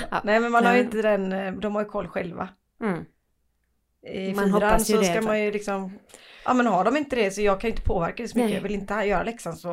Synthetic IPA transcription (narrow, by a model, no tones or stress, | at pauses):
nɛːmɛnmanhaɾjʏɪnt̪əd̪ɛnd̪ɔmhaɾjɵkʰɔlːɧɛlva̰ | ɪyːɾansɔskamanjɵlɪksɔmʔɑ̰ːmɛnɦaɖɔmɪnt̪əd̪ɛsɔjɑːɡkʰanʏɪnt̪ə̥pʰoːvæɾkad̪ɛsɔmʏkːəjɑ̰vɪlɪnt̪əjœːɾa̰lɛksansɔ